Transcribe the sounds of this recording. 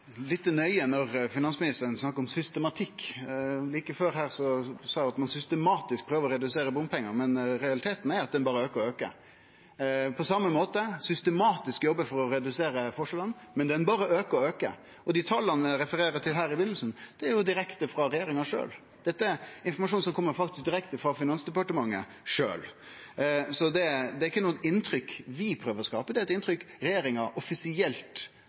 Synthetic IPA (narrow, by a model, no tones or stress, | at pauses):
lɪt̪ːənœʏənɔʁfɪnɑnsmɪnɪst̪əɾənsnɑkːəɾɔmsʏst̪əmɑt̪ʰɪkː | liːkəføːɾɦæːɾsɔsɑːæɑt̪mɑnsʏst̪ɛmɑːt̪ɪsk̚pʰɾøːʋəɾɔɾɛd̪ʉseːɾəbʊmpʰɛŋːəɾmɛnɾɛɑlɪt̪ʰeːt̪n̩æɾɑt̪̚d̪ɛnbɑːɾəøːkəɾɔøːkə̰ | pʰɔsɑmːəmoːt̪əsʏst̪ɛmɑːt̪ɪskjɔbːəfɔɾɔɾɛd̪ʉseːɾəfɔʂəlɑnːmɛnd̪ɛnbɑːɾəøːkəɔøːkə̰ | ɔd̪ɪt̪ʰɑlːɑnəɾɛfəɾeːɾət̪ʰɪlɦæːɾɪbɪnl̩snd̪̥ɛæɾjʊd̪ɪɾɛkt̪əfɾɑɾɛjeːɾɪŋɑʂø̰ːl | d̪̥ɛt̪ːəɛɾɪnfɔɾmɑʂ̬uːnsɔmkʰɔmːəɾfɑkt̪ɪsk̚d̪ɪɾɛkt̪əfɾɑfɪnɑnsd̪ɛpɑʈəmɑŋːə̰ | ʂø̰ːl | sɔd̪ɛd̪ɛɾɪkːənuːt̪ɪnːt̪ʰɾʏkʋɪpʰɾøːʋəɾɔskɑːpəd̪ɛɾɛt̪ɪnt̪ɾʏkɾɛjeːɾɪŋɑɾʔɔfɪsɪɛlt̪